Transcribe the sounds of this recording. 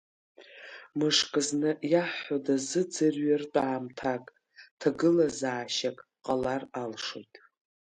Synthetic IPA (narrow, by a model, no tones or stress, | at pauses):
mɨʂkʼɨznɨjaħħodazɨd͡zɨrɥartʷʼaːmtʰakʼ | tʰaɡɨlazaːʃakʼ | qʼalaralʂo̰jtʼ